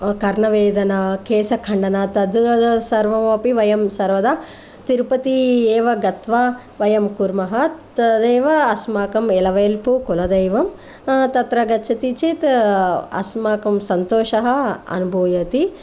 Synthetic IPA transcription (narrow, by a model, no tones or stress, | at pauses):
kɐɾɳɐʋeːd̪ɐnɐkeːsɐkʰɐɳɖɐnaːt̪ɐd̪uɐsɐɾʋɐmɐpiʋɐjɐmsɐɾʋɐd̪aː | t̪iɾpɐt̪ieːʋɐɡɐt̪ʋa | ʋɐjɐmkuɾmɐɦɐt̪d̪eːʋɐːsmaːkɐmelɐʋeːlpukulɐd̪eːʋɐm | t̪ɐt̪ɾɐɡɐt͡ʃʰɐt̪it͡ʃit̪ɐ̰smaːkɐmsɐnt̪oːʃɐɦɐ̆ɐ̰nubʱoːjɐt̪i